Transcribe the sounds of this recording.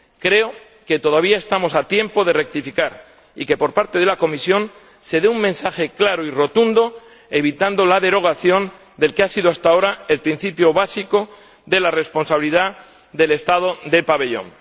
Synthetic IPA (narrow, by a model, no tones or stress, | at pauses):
kɾe̞o | ke̞t̪o̞ðaβiae̞st̪amo̞sat̪je̞mpo̞ð̞e̞re̞k̚t̪ifikaɾ | ike̞po̞ɾpaɾt̪e̞ðe̞lako̞misjo̞n | se̞ðeuŋmẽ̞nsaxe̞klaɾoiro̞t̪und̪o̞ | eβ̞it̪and̪o̞laðe̞ɾo̞ɣ̞aθjo̞n | d̪e̞lkeasiðoast̪ao̞ɾae̞lpɾin̟θipjo̞βasiko̞ | ðe̞lare̞spo̞nsaβiliða | ðe̞le̞st̪að̞o̞ðe̞paβe̞ʎõ̞̰ŋ